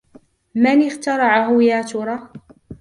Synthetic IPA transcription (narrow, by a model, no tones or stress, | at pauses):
manɪxt̪ɑɾˤɑʕaɦʊjaːt̪uɾˤɑ